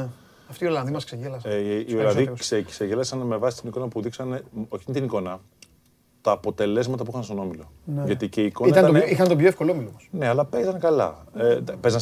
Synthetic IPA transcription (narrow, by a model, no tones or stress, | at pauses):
ɐft̪iolɐnðimɐskseʝelɐsiolɐnððikseseʝelɐsɐnme̞vɐsi̥t̪iniko̞nɐpuðiksɐne̞oçiint̪iniko̞nɐ | t̪ɐːpo̞t̪e̞le̞zmɐt̪ɐpuixɐnst̪o̞no̞milo̞nʝɐt̪ice̞iːkoniɐiɐnɐnixɐnt̪opçoefkoloomilomosne̞ɐlɐpe̞zɐnkɐlɐ̰epe̞zɐn